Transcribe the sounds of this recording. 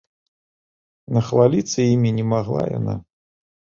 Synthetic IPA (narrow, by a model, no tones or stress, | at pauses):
nɐxvalʲit̪sːɐjimʲinʲɛmaɣlˠa̰ja̰na̰